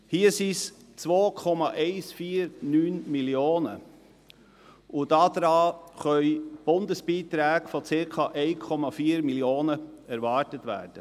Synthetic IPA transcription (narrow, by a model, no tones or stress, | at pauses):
hiəsis | t͡sʋoːkʰɔmɑʔɛɪsfiːɾnyːnmiljoːnə | ʔʊd̥ɑd̥ɾɑːχœʏb̥ʊndəsb̥iːt̪ɾæːɡfɔt͡sɪɾkʰɑʔɛɪkʰɔmɑfiːəɾmiljoːnəɛɾvɑːɹtətʋæ̰ːɾd̥ə